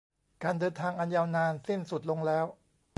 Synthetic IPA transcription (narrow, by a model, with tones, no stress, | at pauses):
kaː˧ndɤː˧nt̪ʰaː˧ŋʔa˧njaː˧wnaː˧nsi˥˩nsu˨˩t̪̚lo˧ŋlɛː˦˥w